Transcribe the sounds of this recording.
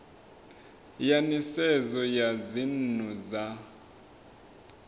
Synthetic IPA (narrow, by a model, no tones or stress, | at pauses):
janisɛzɔjazinuza